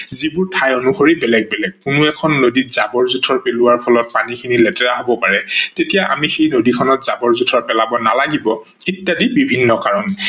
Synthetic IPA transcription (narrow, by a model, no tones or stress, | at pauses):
zibʊɹtʰajonuxoɹibɛlɛɡ̚bɛlɛk̚kʊnʊɛkʰɔnːoditz̥abɔɹzutʰɔɹpelʊwaɹpʰɔlɔt̚panikʰinilɛtɛɹaɦobɔpaɹɛtetijaʔa̰mixejnodikʰɔnɔtz̥abɔɹzutʰɔɹpɛlabɔna̰laɡibɔ | itːadibibʱinːɔkaɹɔn